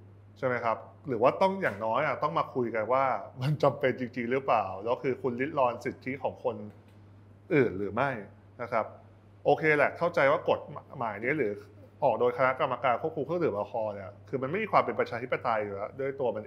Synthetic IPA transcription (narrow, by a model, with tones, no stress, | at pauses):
t͡ɕʰa˥˩jma˦˥jkʰa˦˥p̚ | ɾɯː˩˦waː˥˩t̪ɔ˥˩ŋjaː˨˩ŋnɔː˦˥jʔa˨˩t̪ɔ˥˩ŋmaː˧kʰu˧jka˧nwaː˥˩ma˧nt͡ɕa˧mpe˧nt͡ɕi˧ŋt͡ɕi˧ŋɾɯ˦˥plaː˨˩wlɛː˦˥kʰɯː˧kʰu˧nli˦˥t̪̚lɔː˧nsi˨˩t̪ʰi˦˥kʰɔː˩˦ŋkʰo˧n | ʔɯː˨˩nɾɯː˩˦ma˥˩j | na˦˥kʰa˦˥p̚ | ʔoː˧kʰeː˧lɛ˨˩kʰa˥˩wt͡ɕa˧jwaː˥˩ko˨˩t̪̚maː˩˦jni˦˥ɾɯː˩˦ | ʔɔː˨˩k̚doː˧jkʰa˧na˦˥ʔka˧mːa˧kaː˧nkʰu˥˩p̚ʰu˧mkʰt̪ɯː˨˩˦ʔa˧kʰɔː˧ni˧˩ɐkʰɯː˧ma˧nma˥˩jmiː˧˩kwaː˧mpe˧npɾa˧t͡ɕʰaː˧t̪ʰi˦˥pːa˧t̪a˧jːu˨˩lɛ˦˥du˥˩əjt̪u˧ɐma˧n